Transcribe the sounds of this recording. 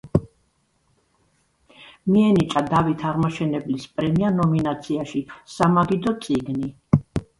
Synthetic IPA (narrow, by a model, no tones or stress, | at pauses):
miɛnit͡ʃʼad̪avit̪ʰaʁmaʃɛnɛblispʼɾɛmianɔminat̪sʰiaʃisamaɡid̪ɔt̪sʼiɡni